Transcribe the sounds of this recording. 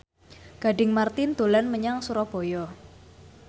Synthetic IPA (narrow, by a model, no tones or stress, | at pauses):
ɡ̥a̤ɖɪŋmart̪ɪnd̪̥o̤lanməɲaŋsuɾɔb̥ɔ̤jɔ